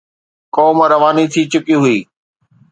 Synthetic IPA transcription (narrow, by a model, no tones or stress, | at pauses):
kɔːmɾɐʋaːnit̪ʰiːt͡ɕʊkiɦʊiː